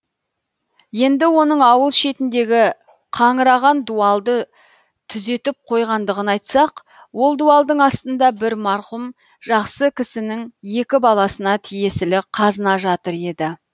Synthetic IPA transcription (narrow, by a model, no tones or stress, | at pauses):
je̞nd̪ɪwo̞nəɴɑwəlˠʃe̞t̪ɪnd̪e̞ɡʲɪ | qʰɑɴəɾɑʁɑnd̪uɑlˠd̪ə | t̪ʰʏze̞t̪ɪp̚qʰo̞jʁɑnd̪əʁənɑjt̪sɑq | wo̞lˠd̪uɑlˠd̪əɴɑst̪ənd̪ɑbɪɾmɑɾqʊm | ʒɑqsəkʲʰɪsɪnɪŋje̞kʲɪbɑlˠɑsənɑt̪ʰije̞sɪlɪqʰɑzənɑʒɑt̪əɾe̞d̪ɪ